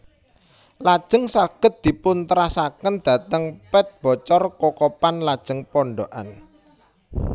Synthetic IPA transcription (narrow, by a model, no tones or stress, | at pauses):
lad̥ʒ̥ə̤ŋsaɡ̥ə̤t̪̚d̪̥i̤pʊnt̪əɾasakənd̪̥ä̤t̪əŋpɛt̪̚b̥ɔ̤t͡ʃɔrkɔkɔpanlad̥ʒ̥ə̤ŋpɔɳɖoʔa̰n